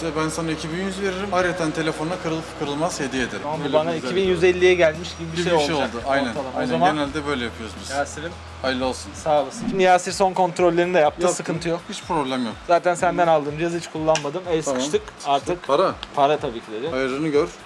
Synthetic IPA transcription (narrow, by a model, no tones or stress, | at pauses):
ɛbænsanaicʰibinjyzve̞ɾiɾimhaɾet̪ʰænt̪ʰe̞lʲefonakʰɯɾɯlˠfkʰɯɾɯlˠmazhed̪ijed̪eɾabubanaiibinjyzelʲːijɛɟælʲmiʃɟibibiʃejolˠejlˠd̪uajnænalˠaozzamaenælʲd̪ɛbø̞jlʲɛjapʰɯjoɾzbizjaːsiɾim | ajlʲˠolˠsunsaːlˠɯsɯʃimd̪ijasiɾso̞nkʰo̞nt̪ɾolʲːeɾinid̪ɛjap̚t̪ʰɯːsɯkɯnt̪ʰɯjokhit͡ʃpɾo̞blʲæmjokz̥aːt̪ʰænsænd̪ænalˠd̪ɯːmd͡ʒijazhit͡ʃkʰulˠːanmad̪ɯmɛskʰɯ̥ʃt̪ʰɯkaɾt̪ʰɯkaɾapʰaɾat̪ʰabiːcʰilʲe̞ɾɪajɯɾɯnɯɟøɾ̥